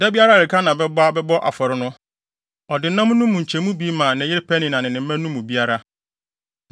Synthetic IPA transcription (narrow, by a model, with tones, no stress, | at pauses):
dɛ˦bi˦a˦ɾa˦˨ɪ˨kʰa˦nã˨bɛ˦bɔ˦a˦bɛ˦bɔ˦ʔa̰˨fɔ˨ɾɪ˦nʊ̃˦ | ɔ˨dɪ˨˦nã˦mʊ̃˦nũ˦mːʊ̃˨ɲ̩˨t͡ɕʰɛ˨mũ˦bi˦mãː˨nɪ̃˨˦jɪ˦ɾɪ˦pʰɛ˦nɪ̃˨nã˨nɪ̃˨nɪ̃˨m̩˦mɛ̃˦nũ˦mːʊ̃˨bi˦a˦ɾa˦